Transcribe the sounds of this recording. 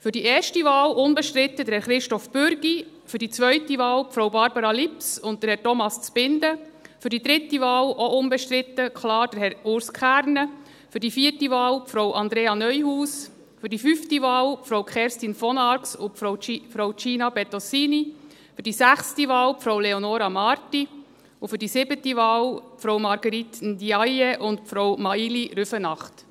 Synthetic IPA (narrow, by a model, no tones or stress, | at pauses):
fʏɾdiɛːɾʃtiʋɑːlʔʊnbɛʃtɾɪt̪ːəd̪əɾhɛɾχɾɪʃtɔfbʏɾɡ̥i | fʏdit͡sʋœʏtiʋɑːlpfɾɔwbɑɾbəɾɑlipsʊntt̪əɾhɛrtɔmɑst͡sb̥ɪnd̪əfʏɾdid̪ɾɪt̪ːiʋɑːlʔoʔʊnbɛʃtɾɪt̪ːəkʰlɑːɾd̥əɾɦɛɾʊɾskʰχæːɾnə | fʏɾdifiːəɾtiʋɑːlpfɾowʔɑnd̪ɾeːɑnœʏɦuːs | fʏɾdifyːftiʋɑːlpfɾowkχɛːɾstinfɔnɑɾksʊpfɾɔwt͡ʃiːnɑbɛt̪ɔsiːni | fʏɾdisæχstiʋɑːwpfɾɔwleɔnoːɾɑmɑːɾti | ʊfʏɾdisɪbətiʋɑːlpfɾɔwmɑɾɡəɾit̪ndiɑjeʔʊntpfɾɔwmɑiliɾʏfənɑχt